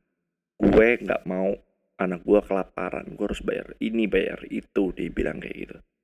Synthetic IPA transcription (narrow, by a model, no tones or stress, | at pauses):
ɡ̥uɛŋɡa̰ʔmau | anak̚ɡuakəlap̚aɾa̰nɡuaɾʊsbaja̰rinibaja̰rit̪udaibilʔa̰ŋka̰jɡḭt̪u